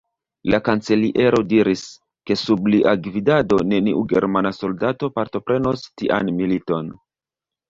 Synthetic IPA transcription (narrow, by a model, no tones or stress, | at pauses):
lakant͡se̞liʔe̞ɾo̞diɾis | ke̞subliʔaɡvidado̞ne̞niʔuɡe̞̰ɾmanaso̞ldato̞paɾto̞pɾʔe̞no̞stiʔa̰nmilito̞n